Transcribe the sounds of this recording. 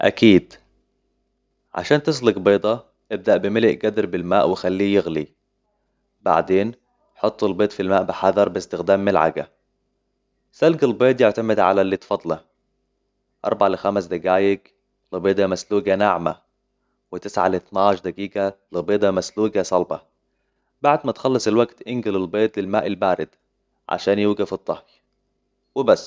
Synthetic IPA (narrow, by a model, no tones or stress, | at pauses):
ʔæ̰kiːd̪ | ʕa̰ʃaːnt̪ɪs̬lɪɡbeːd̪ˤɑ | ʔɪb̚d̪aʔbɪmɪlɪʔɡæd̪ɾbɪlmaːʔwɪxalːiːjɪɣli | ba̰ʕd̪eːn | ħot̪ˤːɪlbeːt̪ˤfilmaːʔbɪħɑðɑɾˤbɪst̪ɪxd̪aːmːɪlʕa̰ɡa̰ | salɡɪlbeːt̪ˤjeʕt̪amɪd̪ʕa̰lalːit̪fɑd̪ˤlɑ | ʔɑ̰ɾˤbaʕalɪxamæsd̪aɡaːjɪɡ | lɪbeːd̪amasluːɡanaʕma | wɪt̪ɪsʕa̰lɪθnaʕʃd̪æɡiːɡalɪbeːd̪ˤɑmasluːɡasˤɑlbɑ̰ | baʕd̪mæt̪xɑlːɑsˤɪlwaɡt̪ʔɪnɡɪlɪlbeːt̪ˤlɪlmaːʔɪlbaːɾɪd̪ | ʕa̰ʃaːnjuːɡafɨt̪ˤːɑhj | wɪbæsː